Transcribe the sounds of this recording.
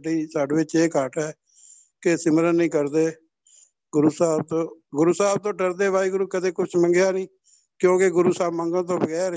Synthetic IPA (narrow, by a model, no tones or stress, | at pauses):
ɖiːsaːɖʋeːt͡ʃeːkaːʈɛː | kesɪməɾənːĩːkəɾd̪eː | ɡʊɾuːsaːb̚t̪õːɡʊɾuːsaːb̚t̪õːɖəɾd̪eːbaːiːɡʊɾuːkət̪eːkʊt͡ʃʰmə̃ŋɡjaːnĩː | kjõːkeɡʊɾuːsaːbmə̃ŋɡãːt̪̬õːbəɡɛːɾ